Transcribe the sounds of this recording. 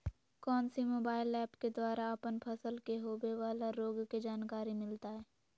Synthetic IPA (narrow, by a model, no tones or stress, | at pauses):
kɔːnsimoːbaːɪlɛːpked̪waːɾaəpənpʰəsəlkeɦoːbeʋaːlaɾoːɡked͡ʒaːnkaːɾimɪlt̪aɦɛː